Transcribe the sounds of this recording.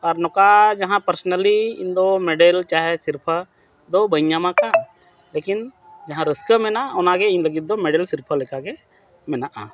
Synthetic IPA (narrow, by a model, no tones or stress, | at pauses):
ɔːɾnɔkad͡ʒɐɦãpəɾsnəliɪ̰̃nd̪omeɖeːlt͡ʃaːɦɛsɪɾpʰə | d̪obəɪɲamãkʰa | leːkɪn | d͡ʒɐɦãɾəskəmenaʊnãkeɪnləɡid̪omeɖeːlsɪɾpʰəlekake | mɛnaʔa